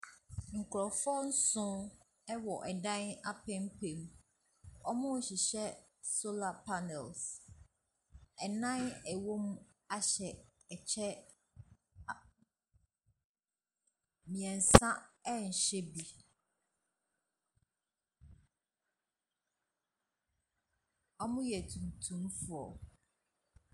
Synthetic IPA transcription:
ŋ̩˨kʰɾɔ˨fɔ˦n̩˦sʊ̃˦ | ɛ˦wɔ˨ʔɛ˨dã˦na˦pʰɛ̃˦m̩˦k͡pʰẽ˨m | ɔ˦mʊ̃˦˨ɕi˨ɕɛ˦ | so˦la˨pʰa˦nɛ˨ls | ɛ˨nã˦nɛ˨wo˦mũ˦ | a˦ɕɛ˨ | ɛ˨t͡ɕʰɛ˦˨ | mĩ˨ɛ̃˨n˨sã˦ɛ˦ɲ̩˨ɕɛ˦bi˨ | ɔ˦mʊ̃˦jɛ˨tʰũ˨m˨tʰũ˨mfʊ˨ɔ˨

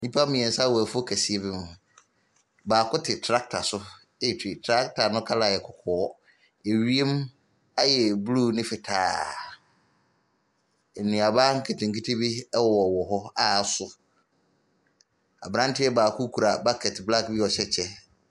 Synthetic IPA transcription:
ɲĩ˦pʰa˦mĩ˨ɛ˨sa˦wæ˨fʊ˦o˦kʰæ˨si˦e˦bi˦nʊ̃˨ | baː˨kʰʊ˦tʰɪ˨tʰɾa˦k̚tʰa˨sʊ˦ | e˦˨tʰi˨tʰɾa˦ktʰa˨nʊ̃˦kʰa˦la˨jɛ˨kʰɔ˨kʰɔː˦ | e˨ɥi˦e˦m | a˦jɛ˨bluː˦nɪ̃˦fɪ˨tʰaː˨˦˨ | nĩ˨a˨ba˦ŋ̩˦kʰe˨tʰɪ̃˨ŋki˦tʰe˦bi˦ɛ˦wɔ˨wɔ˨ɦɔ˦a˦˨˦sʊ˦ | a̰˨bɾã˦ntʰɪ˦ɛ˦baː˨kʰʊ˦kʰu˨ɾa˨ba˦kʰɛ˨tbla˦kbi˦ɔ˨ɕɛ˦t͡ɕʰɛ˦

